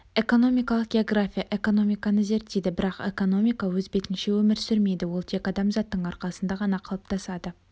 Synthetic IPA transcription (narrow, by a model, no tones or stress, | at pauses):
e̞ko̞no̞mijkɑlˠəq̚ɡʲeo̞ɡrafʲijaʔe̞ko̞no̞mijkɑnəze̞ɾt̪ːed̪ɪbɪɾɑqe̞ko̞no̞mijkɑwɵzbe̞t̪ɪnʃe̞wɵmɪɾsʏɾme̞jd̪ɪwo̞lˠt̪ʰe̞kɑd̪ɑmzɑt̪ːəɴɑɾqɑsənd̪ɑʁɑnɑqʰɑlˠəp̚t̪ʰɑsɑd̪ə